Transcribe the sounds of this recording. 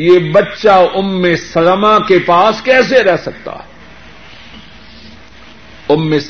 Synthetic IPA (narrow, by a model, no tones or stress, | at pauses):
jebɐtːʃaʊmːesɐlmakepaːskɛːseɾɛɦsɐk̚t̪a̰ː | ʊmːes